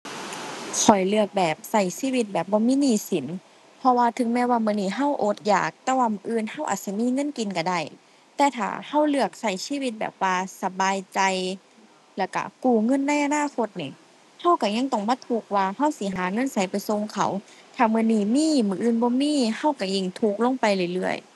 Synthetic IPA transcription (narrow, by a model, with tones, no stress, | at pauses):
kʰɔ˨˩jlɯ˧˩ək̚bɛː˨˩p̚sa˧˩jsiː˧˥˨wi˧t̪̚bɛː˨˩p̚bɔː˧˦miː˧˥˨niː˧˩˨si˨˦n | pʰɔ˧waː˧t̪ʰɯ˨˦ŋmɛː˧˥waː˧mɯ˧˨niː˧˩ɦa˧˥˩wʔo˧˦t̪̚ja̰ː˨˩k̚t̪ɛː˧˥waː˧mɯː˧˦ʔɯː˧˨nha˧˩˨wʔa̰ː˨˩t̪̚si˧˦miː˧˥˨ŋɤ˧˥˨nki˨˧˨nka˧˩da˧˩j | t̪ɛː˧˩t̪ʰa̰ː˨˩ha˧˥˩wlɯ˧˩ək̚sa˧˩jsiː˧˥˨wi˧t̪̚bɛ̰ː˨˩p̚waː˧sa˧baː˨˧jt͡ɕa˧j | lɛ˧˩wka̰˧˩kuː˧˩ŋɤ˧˥˨nːa˧˥˨jʔa˧naː˧˥˨kʰo˧t̪̚ni˧˩˨ | ha˧˥˩wka˧˩ɲa˧˥˨ŋt̪ɔ˧˩ŋbaː˧˦t̪ʰuː˧˩k̚waː˧ha˧˥˩wsi˧˦ɦaː˨˦ŋɤ˧˥˨nsa˨˦jpa˨jso˧ŋkʰa̰˧˦wt̪ʰaː˨˩mɯ˧˨niː˧˩miː˧˥˨mɯː˧˦ʔɯː˧˩˨nbɔː˧˦miː˧˥˨ha˧˥˩wka˧˩ji˧˩ŋt̪ʰuː˧˩k̚lo˧˥˨ŋpa˧jlɯ˧˩jlɯ˧˩əj